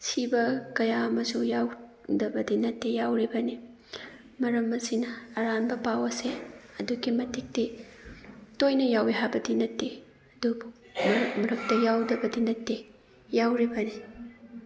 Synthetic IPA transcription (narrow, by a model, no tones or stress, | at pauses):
sibɐkɐjaɐmɐsujawdɐbɐdinɐtːejawɾibɐni | mɐɾɐmːɐsinɐːɾanbɐpawɐseɐduɡimɐtik̚ti | tojnɐjawiɦabɐdinɐtːe | ɐdubu | mɐmɐɾɐk̚tɐjawdɐbɐdinɐtːe | jawɾibɐni